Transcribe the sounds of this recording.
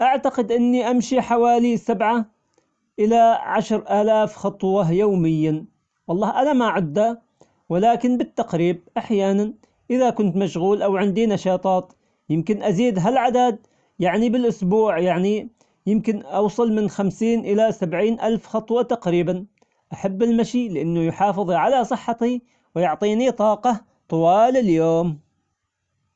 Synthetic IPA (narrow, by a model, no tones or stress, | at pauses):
ʔaʕt̪aqɪd̪ʔɪnːiʔamʃiħawaːlisabʕa | ʔɪlaʕaʃɾʔaːlaːfxɑt̪ˤwɑjoːmɪjːa | wɑlˤːɑːhʔanamaʕʊd̪ːa | wɪlaːkɪnbɪt̪ːaqɾiːb̚ʔaħjaːnan | ʔɪðakʊnt̪maʃɣuːlʔawʕɪnd̪inɑʃɑːt̪ˤɑːt̪ | jɪmkɪnʔaziːd̪ɦalʕad̪ad̪̚ | jaʕnibɪlʔʊsbuːʕjaʕni | jɪmkɪnʔɑwsˤɨlmɪnxamsiːnʔɪlasabʕiːnʔalfxɑt̪ˤwɑt̪aqɾiːban | ʔaħabːɪlmaʃilɪʔanːʊjʊħɑːfɨðˤiʕalasˤɨħːɑt̪i | wɪjʊʕt̪ˤiːnit̪ˤɑːqɑ | t̪ˤʊwɑːlɪljoːm